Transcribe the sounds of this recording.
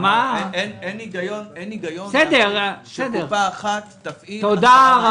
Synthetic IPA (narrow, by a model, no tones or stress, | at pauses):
maeneniɡajoneniɡajonsed̪eʁsed̪eʁpaːχat̪ːaffit̪od̪aʁa